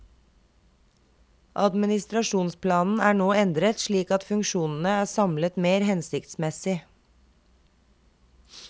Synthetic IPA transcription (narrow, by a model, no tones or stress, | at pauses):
ʔɑ̰d̪mɪnɪst̪ɾɑʃuːnspʰlɑːnn̩æːɳoːɛnd̪ɾət̪ʃɭiːkɑt̪fʉŋkʃuːnn̩əæːsɑmlət̪meːɾhɛnsɪkt̪smɛsɪ